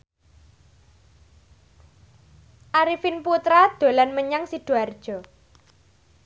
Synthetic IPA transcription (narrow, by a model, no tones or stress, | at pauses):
ʔaɾifinput̪ɾad̪̥o̤lanməɲaŋsiɖ̪̥ṳard̥ʒ̥ɔ̤